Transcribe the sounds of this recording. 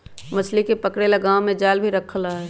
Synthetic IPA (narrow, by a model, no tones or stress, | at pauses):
mɐslikepəkɽelɐɡaːomẽd͡ʒaːlbʱiɾɐkʰlaɦɛː